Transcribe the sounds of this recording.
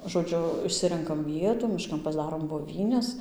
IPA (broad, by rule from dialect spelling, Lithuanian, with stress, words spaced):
ʒoːˈd͡ʒʲʊ ɪʃʲˈsʲɪrʲɛŋkɐm ˈʋʲiɛtuː mʲɪˈʃkɐn pɐzˈdɑːroːm boːˈʋʲiːnʲɛs